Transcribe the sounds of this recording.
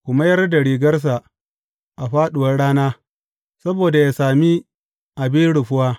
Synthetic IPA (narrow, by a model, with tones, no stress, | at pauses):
kʷʊ˨ma˦jɐ˦rda˨ɽiː˨ɡɐ˦rs̬a˨ | ʔa˨ɸaː˦ɗʊ˨wɐ˦rɽaː˦naː˦ | sɐ˦boː˨da˨jaː˦saː˨mi˦ | ʔa˨bɪ˦nɽʊ˨ɸʊ˦waː˦